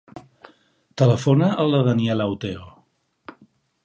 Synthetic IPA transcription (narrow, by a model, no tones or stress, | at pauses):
t̪ələfonəʔəlˠəðəniɛlawt̪eo